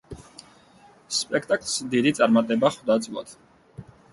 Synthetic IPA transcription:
spʼɛkʰt̪ʼakʼlˠsd̪id̪it̪sʼaɾmat̪ʼɛbaχwd̪at̪sʼvlˠa̰d̪̥

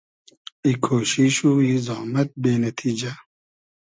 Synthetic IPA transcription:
ikʰoːʃiʃuːizɑːmɐt̪̚beːnɐt̪ʰiːd͡ʒɐ

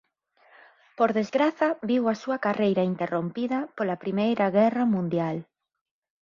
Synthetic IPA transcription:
poɾðezɣɾaθɐβiwɐsuɐkarejɾɐint̪erompiðɐpolɐpɾimejɾɐɣɛrɐmũnd̪jal

